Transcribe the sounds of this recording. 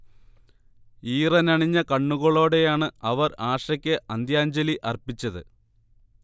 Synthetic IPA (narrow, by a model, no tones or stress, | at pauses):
iːrɐnɐɳiɲːɐkɐɳːuɣɐɭo̞ːɽe̞jaːɳɨɐʋɐraːʂɐkʲːɨʔɐnd̪jaːɲd͡ʑɐliʔɐrpit͡ɕːɐðɨ̰